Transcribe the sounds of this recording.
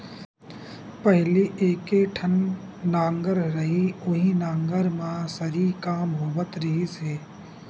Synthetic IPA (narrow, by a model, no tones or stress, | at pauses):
pəɦliʔeːkeʈʰənː | ãːŋɡəɾɾɐɦiʊɦinãːŋɡəɾmãsəɾikaːmɦoːbət̪ɾɐɦiseː